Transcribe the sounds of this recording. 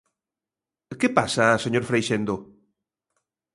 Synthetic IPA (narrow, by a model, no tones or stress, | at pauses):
kepasaseɲoɾfɾejʃend̪o